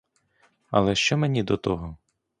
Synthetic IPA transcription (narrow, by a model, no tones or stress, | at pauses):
ɐ̰lˠɛʃt͡ʃɔmenʲid̪ɔt̪ɔɦɔ